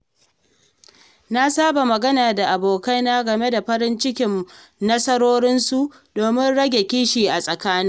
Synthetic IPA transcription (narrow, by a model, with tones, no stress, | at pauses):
na˦saː˦ba˨mɐ˨ɡɐ˦naː˨da˨ʔa˨boː˨ka˦jna˦ɡɐ˨me˦da˨ɸɐ˦ɾɪ˦nt͡ʃɪ˦kʲɪ˨m | nɐ˦sɐ˦ɾoː˦ɾɪ˦nsu˨ʔ | doː˨mɪ˦nɽɐ˦ɡʲe˨kʲiː˦ʃiː˨ʔa˨sʼɐ˨kaː˦nɪ˦